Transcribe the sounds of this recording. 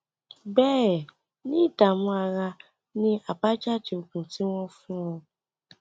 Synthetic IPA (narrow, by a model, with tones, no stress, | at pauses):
bɛː˦˨ | nĩ˦i˦˨ta˨mɔ̃˧a˧ɾa˧ | nĩ˦a˨ba˦d͡ʒa˦˨d͡ʒe˧o˨kũ˨ti˨˦w̃ɔ̃˦fũ˦ɔ̃˧